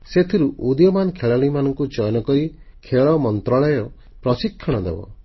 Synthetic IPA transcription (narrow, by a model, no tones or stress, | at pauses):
set̪ʰiɾuʔud̪jɔmanɔkʰeɭaɽ̃imanɔŋkud͡ʒɔjɔnɔkɔɾi | kʰeɭɔmɔnt̪ɾɔɭɔjɔ | pɾɔsikʰːɔɽ̃ɔd̪ḛbɔ̰